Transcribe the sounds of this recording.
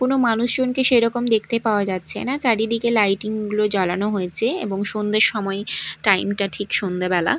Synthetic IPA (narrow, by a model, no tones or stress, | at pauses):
konomanuʃd͡ʑonkeʃejɾɔkomd̪ek̚ʰt̪epaoad͡ʑatːɕʰenat͡ɕaɽid̪ikelajʈiŋɡulod͡ʑɔlanoɦojet͡ɕʰeḛboŋʃond̪eɾʃɔmɔeʈajmʈaʈʰikʃond̪abɛla̰